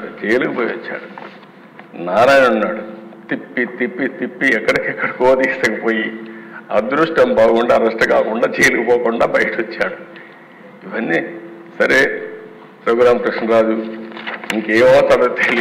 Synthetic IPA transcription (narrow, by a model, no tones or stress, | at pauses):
t͡ʃeːjluɡɐpoːjʋɐt͡ʃːa̰ːɽu | naːɾaːjnunːaːɽut̪ipːit̪ipːit̪ipːiɛkːɐɽɐkɛkːɐɽɐkoːd̪iːsɐkɐpoːjiɐ̰d̪ɾuʂʈɐmbaːɡuɳɖaːɾɐʂʈɐkaːkuɳɖaːt͡ʃeːlukɐpoːkuɳɖaːbɐjɐʈɐot͡ʃːaːɽu | iʋɐnːi | sɐɾeː | pɾoːɡɾaːmkɾɐkʂnɐɾaːd͡ʒu | iŋkeːmɔːst̪aɽɐt̪eli